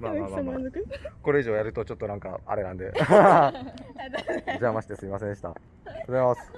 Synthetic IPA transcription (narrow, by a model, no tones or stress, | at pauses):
maːaːma | koɾe̞iʑo̞ːjaɾɯ̟t̪o̞t͡ɕo̞t̪ːo̞nãŋka̰a̰ɾe̞nãnd̪e̞ | d͡ʑamaɕi̥t̪esɨimasẽ̞nd̪eit̪a̰ | t̪ozemas